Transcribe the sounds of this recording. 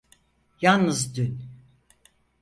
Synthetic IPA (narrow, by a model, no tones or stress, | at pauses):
jannɯzd̪yn